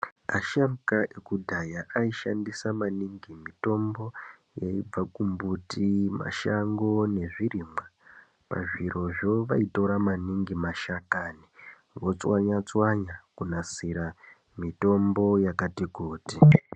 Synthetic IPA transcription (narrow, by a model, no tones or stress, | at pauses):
aʃamkaʔekudʱajaʔaiʃa̰ndisamaniŋɡimito̞mbo̞ | jaib͡vakumbutima̰ʃaŋɡo̞ne̞ʐirimwa | pa̰ʐiɾo̞ʐo̞ʋaito̞ɾamaniŋɡimaʃakaːni | ʋo̞t͡swaɲat͡swaɲakunasiɾa | mito̞mbo̞jakatikuːti